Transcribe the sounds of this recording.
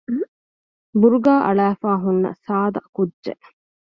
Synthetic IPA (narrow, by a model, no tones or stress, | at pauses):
buɾuɡaːʔɐɭæːfaːɦunːɐ̰saːd̪ɐkudʒḛʔ